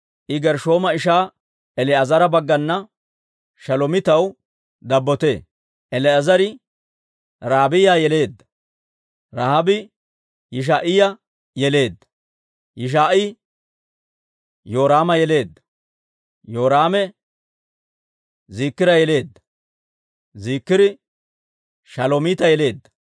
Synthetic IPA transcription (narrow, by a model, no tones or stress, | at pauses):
ʔɪɡɛɾʃo̞ːmɐɪʃ̬aː | ʔɛlɛɐzɐɾɐbɐɡːɐnːɐ | ʃɐlɔmɪt̪ɐw | d̪ɐbːɔt̪e̞ː | ʔɛlɛɐzɐɾɪ | ɾaːbɪjaːjɛle̞ːd̪ːɐ̥ | ɾahɐbɪ | jɪʃ̬aːʔɪjɐ | jɛle̞ːd̪ːɐ̥ | jɪʃ̬aːʔɪ | jo̞ːɾaːmɐjɛle̞ːd̪ːɐ̥ | jo̞ːɾaːmɛ | ziːkːɪɾɐjɛle̞ːd̪ːɐ̥ | ziːkːɪdɪ | ʃɐlomɪt̪ɐjɛle̞ːd̪ːɐ̥